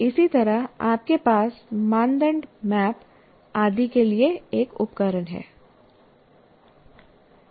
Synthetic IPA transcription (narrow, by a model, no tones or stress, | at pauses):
ɪsit̪ɐɾaaːp̚kepaːsmãːnd̪ə̃ɳɖmɛːp | aːd̪ikelieeːkʊpkəɾənɦɛ̰ː